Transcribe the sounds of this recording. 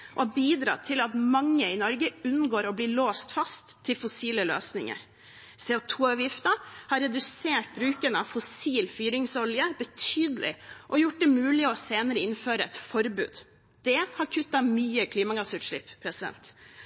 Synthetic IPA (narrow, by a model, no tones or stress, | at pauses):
ʔɔɑbiːd̪ɾɑ̰ːt̪ʰɪlɑt̪mɑŋːəɪnɔɾɡəʉnːɡoːɾɔbliːɭoːst̪fɑst̪ʰːɪlfɔsiːləløːsnɪŋə̰ɾ | seːʊt̪ʰuːɑʋjɪft̪əhɑɾɛd̪ʉseːʈ̚bɾʉːkənəɑʋfɔsiːlfyːɾɪŋsɔljəbət̪ʰyːd̪lɪ̰ʔɔjʊʈ̚d̪ɛmʉːlɪɔseːnəɾəɪnføːɾəɛ̰t̪fɔɾbʉ̰ːd̪ | d̪̥ɛhɑɾkʰʉt̪ːɑmyːəkʰliːmɑɡɑsʉːt̪ʂɭɪpːpʰːɾɛsɪd̪ɛ̰nt̪